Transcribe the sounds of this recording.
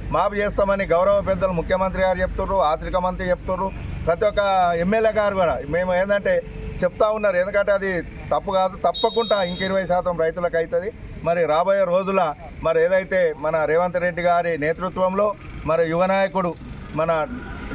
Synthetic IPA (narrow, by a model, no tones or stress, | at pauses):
maːput͡ʃeːst̪aːmɐniɡɐwɾɐʋɐp̬ɛd̪ːɐlumukʰjɐmɐnt̪ɾiɡaːɾit͡ʃep̬ut̪unːuaːt͡ʃɐɾikɐmɐnt̪ɾit͡ʃep̚ut̪unːupɾɐt̪ijɔkːɐemːeleɡaːɾuɡuɽaːme̞ːmueːnd̪ɐɳʈe̞ːt͡ʃepu̥t̪aːunːaːɾue̞nd̪ukɐɳʈeɐd̪i | t̪ɐpːuɡaːd̪ut̪ɐpːɐkuɳʈaːiŋkɐiɾuʋɐjɐʃaːt̪ɐmɾɐjt̪ulɐkɐjit̪ɐd̪i | mɐɾiɾaːboːjɐɾo̞ːd͡ʒulɐ | mɐɾieːd̪ɐjit̪e̞ːmɐnɐɾeːʋɐnt̪ɐɾe̞ɖːiɡaːɾine̞ːt̪ɾut̪ʋɐmlo̞ːmɐɾijuʋɐnaːjɐkuɽu | mɐnɐ